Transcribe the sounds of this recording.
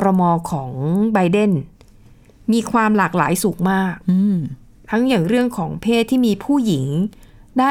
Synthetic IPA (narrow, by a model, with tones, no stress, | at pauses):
ɾa˧mɔː˧kʰɔː˩˦ŋba˧jde˥˩n | miː˧kʰwaː˧mlaː˨˩k̚laː˩˦jsu˨˩k̚maː˥˩k̚ɯ˧ | t̪ʰa˦˥ŋjaː˨˩ŋɾɯ˥˩əŋkʰɔː˩˦ŋpʰeː˥˩t̪ʰːiː˥˩miː˧pʰuː˥˩ji˩˦ŋ | daː˥˩